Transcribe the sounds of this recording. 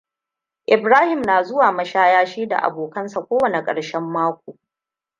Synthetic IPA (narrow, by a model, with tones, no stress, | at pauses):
ʔɪ˨bɾaː˦hɪ˨mnaː˨zʊ˦waː˨mɐ˦ʃaː˦jaː˦ʃiː˦da̰˨ʔa̰˨boː˨kɐ˦nsa˨kʷoː˦wɐ˨ne˨kʼɐ̰˨ɽʃɛ˦mːaː˦kʷoː˨